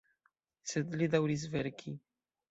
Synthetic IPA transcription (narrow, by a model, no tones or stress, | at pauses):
sɛd̪lid̪awɾiz̬vɛɾkʲʰi